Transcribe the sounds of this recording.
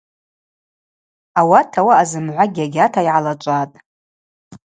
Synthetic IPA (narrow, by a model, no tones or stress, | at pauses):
awatʰawaːzɨmʕʷaɡʲaɡʲatʰaiʕalat͡ʃʷʼatʼ